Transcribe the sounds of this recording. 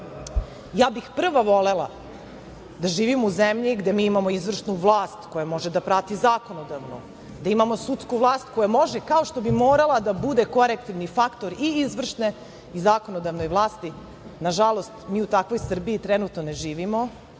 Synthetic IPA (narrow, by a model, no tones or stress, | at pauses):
jaːbixpr̩ʋaʋo̞le̞lˠa̰ | d̪aʒiːʋimouzemʎiɡd̪e̞miːimamo̞izʋr̩ʂnuʋlˠaːst̪ko̞jamo̞ʒed̪apɾat̪izaːko̞nod̪aʋnṵ | d̪aimamo̞sut̪skuʋlˠaːst̪ko̞jamo̞ʒekao̞ʃt̪o̞bimo̞ːɾalˠad̪abud̪e̞ko̞ɾekt̪iʋnifakt̪o̞ɾiizʋr̩ʃne | izaːkonod̪aʋno̞jʋlˠaːst̪i | naʒalˠo̞st̪miːut̪akʋo̞jsr̩biit̪ɾenut̪noneʒiːʋimo̞